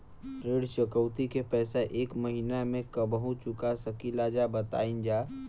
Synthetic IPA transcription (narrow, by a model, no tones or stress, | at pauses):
ɾeːɽʃəkəʊt̪ikepɛːseʔeːkməɦinamẽkəbəɦũt͡ʃʊkasəkilad͡ʒabət̪a̰ːind͡ʒaː